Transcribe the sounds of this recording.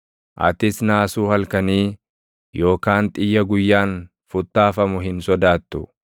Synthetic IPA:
ʔɐ̰t̪ɪsnaːsuːhɐlkɐniː | jo̞ːkaːnt̪ʼɪjːɐɡʊjːaːn | fʊt̪ːaːfɐmʊɦɪnsɔd̪aːt̪ːʊ

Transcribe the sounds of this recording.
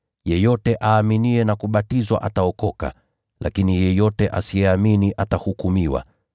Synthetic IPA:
jɛjɔtɛʔaːminiɛnakuɓatizwa̰ʔataɔkɔka̰ | lʔa̰kinijɛjɔtɛʔa̰sijɛaminiʔatahukumiwa̰

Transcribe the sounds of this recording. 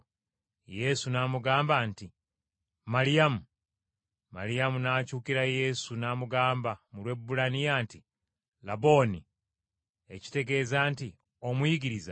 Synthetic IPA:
je̞sunaːmuɡaːmbanti | maɾijamu | ma̰ɾijamunaːcuːkiɾaje̞ːsunaːmuɡaːmbamulwe̞bːulanijaːnti | labo̞ːni | e̞̰ci̥te̞ɡe̞ːzanti | o̞mujiɡiɾiza

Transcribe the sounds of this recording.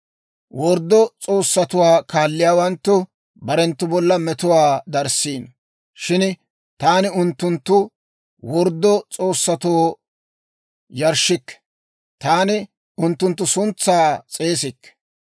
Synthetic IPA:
wɔɾd̪ːɔt͡sʼo̞ːsːɐt̪ʊwaːkaːlːɪjaːwɐnt̪ːʊ | bɐɾɛnt̪ːʊbɔlːɐmɛt̪ʊwaːd̪ɐɾsiːn | ʃɪn | t̪aːnɪʊnt̪ːʊnt̪ːʊ | wɔɾd̪ːɔt͡sʼo̞ːsːɐt̪oː | jɐɾʃɪkːɛ̥ | t̪aːnɪ | ʊnt̪ːʊnt̪̬ːʊsʊnt͡sːaːt͡sʼe̞ːs̬ɪkː

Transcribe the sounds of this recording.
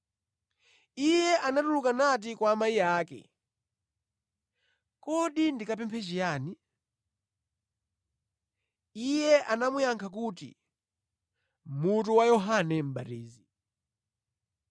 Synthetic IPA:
ijɛʔanatulukanat̬ikwaːmaijaːkɛ̰ | kɔɗindikap̬ɛmpʰɛt͡ʃijaːni | ijɛʔanamujaŋkʰak̬uːtḭ | mut̬uwajɔɦanɛm̩batiːzi

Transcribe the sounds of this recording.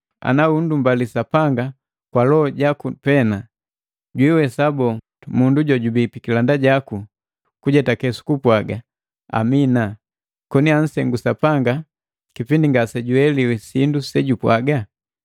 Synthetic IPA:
a̰naundumbalisapaŋɡa | kwalɔɔɟakupɛna | ɟwiwɛsabɔ | munduɟɔɟubipikilandaɟaku | kuɟɛtakɛsu̥kupwaɡa | a̰mina | kɔnian̩sɛŋɡusapaŋɡa | kipindiŋɡasɛɟuɛliwɛsindusɛɟupwaɡa

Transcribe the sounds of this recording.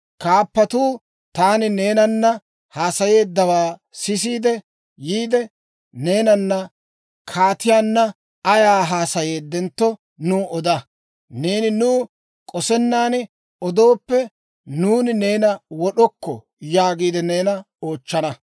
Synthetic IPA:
kaːpːɐt̪uː | t̪aːnɪne̞ːnɐnːɐ | haːsɐje̞ːd̪ːɐwaːsɪs̬iːd̪ɛ | jiːd̪ɛ | ne̞ːnɐnːɐ | kʰaːt̪ɪjaːnːɐ | ɐjaːɦaːsɐje̞ːd̪ːɛnt̪ːɔ | nuːʔɔd̪ɐ | ne̞ːnɪnuː | kʼɔsɛnːaːnɪ | ɔd̪o̞ːpːɛ | nuːnɪne̞ːnɐwɔɗɔkːɔ̰ | jaːɡiːd̪ɛne̞ːnɐ | o̞ːt͡ʃːɐnɐ

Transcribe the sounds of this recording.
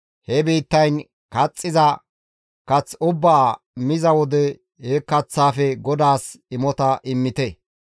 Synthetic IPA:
hɛbiːt̪ːɐjn | kɐt͡sʼːɪzɐ | kɐt͡sʊbːaː | mɪzɐwɔd̪ɛ | hekɐt͡sːaːfɛɡɔd̪aːsɪmɔt̪ɐʔɪmːɪt̪ɛ

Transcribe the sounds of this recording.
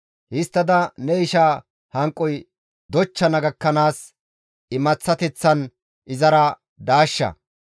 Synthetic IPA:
hɪst̪ːɐd̪ɐnɛɪʃaː | hɐŋkʼːɔj | d̪ɔt͡ʃːɐnɐɡɐkːɐnaːs | ɪmɐt͡sːɐt̪ɛt͡sːɐn | ʔɪzɐɾɐ | d̪aːʃːɐ̰

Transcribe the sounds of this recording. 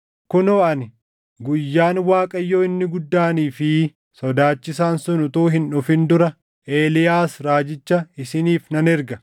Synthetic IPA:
kʊnoːʔɐnɪ | ɡʊjːaːnwaːkʼɐjːoːɪnːɪɡʊd̪ːaːniːfɪ | sɔd̪aːt͡ʃːɪsaːnsʊnʊt̪uːɦɪnᶑʊfɪnd̪ʊɾɐ | ʔeːlɪjaːsɾaːd͡ʒɪt͡ʃːɐɪsɪniːfnɐnɛɾɡɐ

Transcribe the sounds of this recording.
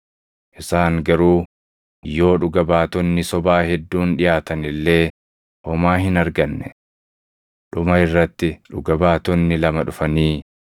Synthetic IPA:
ʔɪsaːŋɡɐɾuː | jo̞ːᶑʊɡɐbaːt̪ɔnːɪsɔbaːhɛd̪ːuːnᶑɪjaːt̪ɐnɪlːe̞ː | ʔɔmaːhɪnɐɾɡɐnːɛ | ᶑʊmɐɪrːɐt̪ːɪᶑʊ̰ɡɐbaːt̪ɔnːɪlɐmɐᶑʊfɐniː

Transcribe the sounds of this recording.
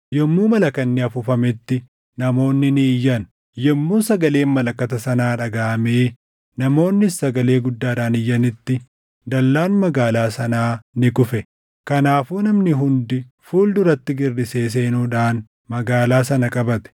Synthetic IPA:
jɔmːuːmɐlɐkɐnːɪɐfʊfɐmɪt̪ːɪ | nɐmo̞ːnːɪnɪːjːɐn | jɔmːuːsɐɡɐle̞ːnmɐlɐkːɐt̪ɐsɐnaːᶑɐɡaːʔɐmeː | nɐmo̞ːnːɪsɐɡɐle̞ːɡʊd̪ːaːᶑaːnɪjːɐnɪt̪ːɪ | d̪ɐlːaːnmɐɡaːlaːsɐnaːnɪkʊfɛ | kɐnaːfuːnɐmnɪɦʊnd̪ɪ | fuːld̪ʊɾɐt̪ːɪɡɪrːɪse̞ːs̬e̞ːnuːᶑaːn | mɐɡaːlaːsɐnɐkʼɐbɐt̪ɛ̥

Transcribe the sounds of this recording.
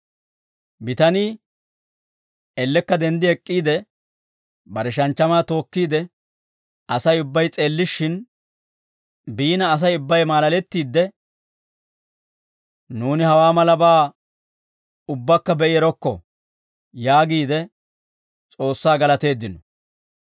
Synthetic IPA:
bɪt̪ɐniː | ɛlːɛkːɐd̪ɛnd̪ɪɛkʼːiːd̪ɛ | bɐɾɛʃ̬ɐnt͡ʃːɐmaːt̪o̞ːkːiːd̪ɛ | ɐsɐjʊbːɐjt͡sʼe̞ːlːɪʃːɪn | biːnɐːs̬ɐjʊbːɐjmaːlɐlɛt̪ːiːd̪ːɛ | nuːnɪhɐwaːmɐlɐbaː | ʊbːɐkːɐbɛʔɪɛɾɔkːɔ̰ | jaːɡiːd̪ɛ | t͡sʼo̞ːsːaːɡɐlɐt̪e̞ːd̪ːɪnɔ

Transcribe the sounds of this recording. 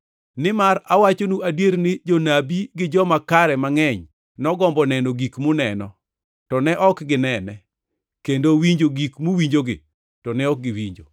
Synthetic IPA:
nɪmaɾawat͡ʃonuʔadweɾnɪd͡ʒɔnabiɡɪd͡ʒɔmakaɾɛmaŋɛɲ | nɔɡɔmbɔnɛnoɡikmʊnɛnɔ̰ | tɔnɛʔɔkɡɪnɛnɛ | kendowiɲd͡ʒoɡikmuwiɲd͡ʒoɡɪ̰ | tɔnɛɔk̚ɡɪwiɲd͡ʒo

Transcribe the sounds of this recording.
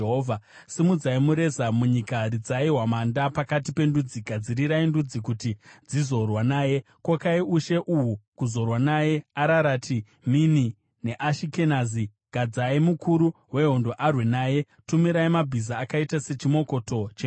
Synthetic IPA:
ɦovʱa | simud͡zaimuɾe̞zamuɲikaɾid͡zaiɦwamandapakatipe̞ndud͡ziɡʱad͡ziɾiɾaindud͡zikutid͡zizo̞rwanaːje̞ | kwakaiuʃe̞ʔuɦukuzo̞rwanaje̞aɾaɾatʰi | mini | neʔaʃike̞nazi | ɡ̥ʱad͡zaimukuɾuɦwe̞ɦondo̞ʔarwenaːje̞ | tumiɾaimabʱizaːkaitase̞t͡ʃimo̞ko̞to̞t͡ʃe

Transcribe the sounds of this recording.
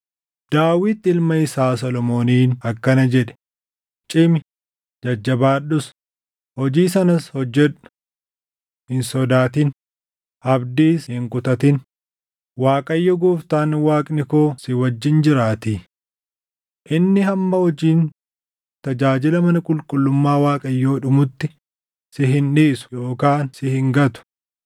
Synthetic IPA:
d̪̥aːwɪt̪ːɪɪlmɐɪsaːsɔlɔmo̞ːniːnɐkːɐnɐd͡ʒɛᶑɛ̥ | t͡ʃʼɪmɪ | d͡ʒɐd͡ʒːɐbaːɗʊs | hɔd͡ʒiːs̬ɐnɐshɔd͡ʒːɛᶑʊ̥ | hɪnsɔd̪aːt̪ɪn | ʔɐbd̪iːshɪŋkʼʊt̪ɐt̪ɪn | waːkʼɐjːɔɡuːft̪aːnwaːkʼnɪko̞ːsɪwɐd͡ʒːɪnd͡ʒɪɾaːt̪i | ʔɪnːɪɦɐmːɐhɔd͡ʒiːn | t̪ɐd͡ʒaːd͡ʒɪlɐmɐnɐkʼʊlkʼʊlːʊmːaːwaːkʼɐjːoːᶑʊmʊt̪ːɪ | sɪɦɪnᶑiːsʊ̥jo̞ːkaːnsɪhɪŋɡɐt̪ʊ̥

